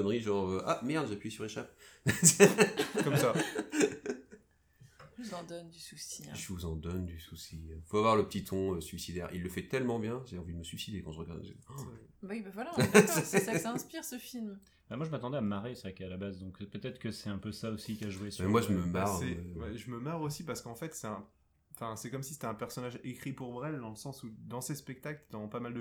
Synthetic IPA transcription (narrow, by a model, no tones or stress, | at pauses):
ɔnʁiʒɑ̃ʁøʔamɛʁd̪ʒepɥisyʁeʃap̚ | kɔmsa | vuzɑ̃d̪ɔnd̪ysusiʒəvuzɑ̃d̪ɔnd̪ysusifoavwaʁləpət̪it̪ʰɔ̃øsɥisid̪ɛʁḭlːəfɛt̪ɛlmɑ̃bjɛ̃ʒeɑ̃vid̪əməsɥisid̪ekɑ̃ʒəʁəɡad̪ | bawibavwala | ɛ̃spiʁsəfilm | bamwaʒəmat̪ɑ̃d̪ɛamaʁesəʁɛkalabazd̪ɔ̃kpøt̪ɛt̪χə̥kəsɛɛ̃pøsaosikʲaʒuesmɛmwaʒəməmaʁɛwɛʒəməmaʁosipaʁsə̥kɑ̃fɛt̪sɛɛ̃ | fɛ̃sɛkɔmsi̥se̥t̪ɛɛ̃pɛʁsɔnaʒekχipuʁbʁɛld̪ɑ̃ləsɑ̃sud̪ɑ̃sespɛk̚t̪akld̪ɑ̃pamald̪ə